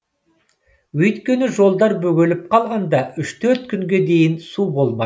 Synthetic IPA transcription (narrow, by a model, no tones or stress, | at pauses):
wɵjt̪kʲe̞nɪʒo̞lˠd̪ɑɾbɵɡʲelɪp̚qʰɑlˠʁɑnd̪ɑʔʏʃt̪ʰɵɾt̪̚kʲʰʏŋɡʲe̞d̪e̞jɪnsubo̞lˠmɑ